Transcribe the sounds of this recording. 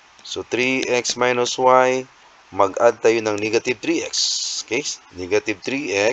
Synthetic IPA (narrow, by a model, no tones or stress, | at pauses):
sot̪ɾiʔɛksmajnoswaj | mɐɡʔad̪̚t̪ɐjonɐŋnɛɡɐt̪ɪb̚t̪ɾiʔɛkskɛjnɛɡɐt̪ɪb̚t̪ɾiʔɛ